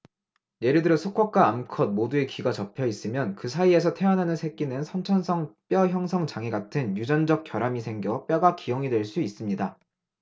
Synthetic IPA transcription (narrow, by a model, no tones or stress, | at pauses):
je̞ɾɯɭdɯɾʌsʰuk͈ʰwak̚k͈aːmkʰʌd̚modue̞kiɡat͡ɕʌpʰjʌis͈ɯmjʌnkɯsʰaie̞s̬ʰʌtʰe̞wanɦanɯnsʰe̞k͈inɯnsʰʌnt͡ɕʰʌnsʰʌŋp͈jʌçjʌŋsʰʌŋt͡ɕaŋeɡatʰɯnjud͡ʑʌnd͡ʑʌk̚k͈jʌɾamisʰe̞ŋɡjʌp͈jʌɡakijʌŋidwe̞ɭs͈uis͈ɯmɲida